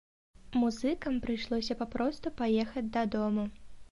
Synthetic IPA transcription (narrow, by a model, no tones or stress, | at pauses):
muzɨkɐmpɾɨjʂlˠɔsʲɐpapɾɔst̪upajɛxɐd͡zʲd̪ɐd̪ɔmu